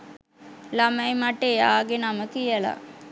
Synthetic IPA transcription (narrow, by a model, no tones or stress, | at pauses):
laməjmaʈːejaːɡenaməkijəla̰